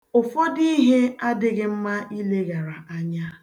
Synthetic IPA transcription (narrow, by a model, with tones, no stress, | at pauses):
ʊ˨fɔ˦di˦ɦe˦a˦dɪ˦ɡɪ˦m̩˦ma˦i˦le˦ɣa˨ɾa˨a˦ɲa˦